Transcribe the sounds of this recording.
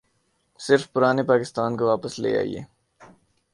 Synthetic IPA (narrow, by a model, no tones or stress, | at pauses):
sɪɾfpʊɾaːnepaːkɪst̪aːnkoʋaːpəslḛːja̰ːḭḛː